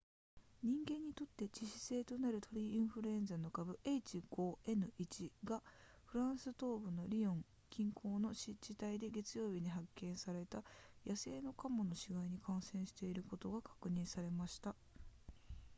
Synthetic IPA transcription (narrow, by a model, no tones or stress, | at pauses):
ɲ̟ĩŋɡẽ̞ɲ̟ːit̪o̞t̪ːe̞t͡ɕiɕi̥se̞ːt̪o̞naɾɯ̟t̪o̞ɾʲiĩɰ̃ɸɯ̟ɾɯ̟ẽ̞nd͡zano̞kabɯ̟ʔe̞it͡ɕiɡ̥o̞ːe̞nɯ̟ʔit͡ɕiɡa | ɸɯ̟ɾãɰ̃sɨt̪o̞ːbɯ̟no̞ɾʲiõ̞ŋ | kʲĩŋkʰo̞ːno̞ɕid͡ʑit̪aid̪e̞ɡe̞t͡sɨjo̞ːbʲiɲ̟iɦakːẽ̞ɰ̃saɾe̞t̪ajase̞ːno̞kamono̞ɕiɡaiɲ̟ikʰãɰ̃sẽ̞ɰ̃ɕi̥t̪e̞iɾɯ̟ko̞t̪o̞ɡakʰḁkɯ̟ɲ̟ĩɰ̃saɾe̞maɕi̥t̪a